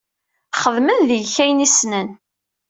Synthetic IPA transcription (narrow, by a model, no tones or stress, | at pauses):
χəðmənðəʝçæjnisnən